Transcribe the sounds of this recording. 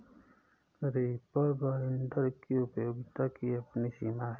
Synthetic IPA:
ɾipəɾbaːɪnd̪əɾkiʊpjoːɡt̪akiɐpnisimaː

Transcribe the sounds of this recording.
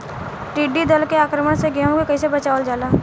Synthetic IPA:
ʈiːɖid̪əlkeaːkɾəməɽ̃seɡjaːmkokɐisebɐt͡ʃaːʋəld͡ʒaːlaː

